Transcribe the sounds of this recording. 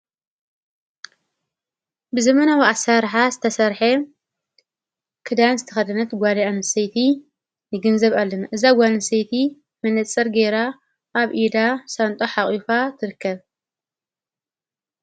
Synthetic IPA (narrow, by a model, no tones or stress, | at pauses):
bɨzɐmɐnawiʔasaɾħazɨt̪ʰɐsɐɾħe | kʰɨd̪anzɨt̪ʰɐ̥xɐd̪ɐnɐt̪ɡʷaliʔanɨsejt̪ʰi | nɨɡɨnzɐβalːɐnaʔɨzaɡʷanɨsejt̪ʰi | mɐnɨt͡sʼːɐɾɡeɾa | ʔːβʔid̪asant̪ʼoħaχʼifat̪ʰɨɾɨkʰːɐβ